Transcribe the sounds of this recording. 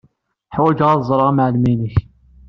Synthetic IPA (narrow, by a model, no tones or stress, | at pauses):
ħwæd͡ʒʁɑzˤɾˤɑʁɑmaʕlminəç